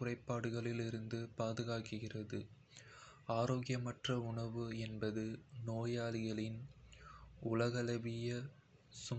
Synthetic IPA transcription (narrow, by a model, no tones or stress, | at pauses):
ʊrɐɪpːaːɽɯɣɐɭɪlɪɾɯnd̪ɯpaːðɯɣaːkɯɣɪrɐðɯ | aːɾoːɣɪjɐmɐʈrɐʊɳɐʋɯɛnbɐðɯnoːjaːlɪɣɐɭɪn | ʊlɐɣɐlɐʋɪjɐ | sʊ